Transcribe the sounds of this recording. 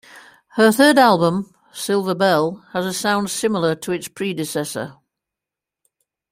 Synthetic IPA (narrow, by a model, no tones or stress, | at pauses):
həθɜːdalˠbə̃m | sɪlˠvəbɛlˠəzəsãʊ̃nd̥sɪml̩ˠətʰəɪtspʰɹ̥iːdɪsɛsə̰